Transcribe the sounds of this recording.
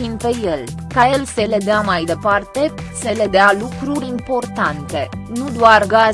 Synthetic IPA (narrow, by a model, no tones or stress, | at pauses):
inpeje̞l | kajelse̞le̞d̪eamajd̪e̞part̪e̞se̞le̞d̪ealukɾuɾʲimpo̞rt̪ant̪e̞nud̪oarɡa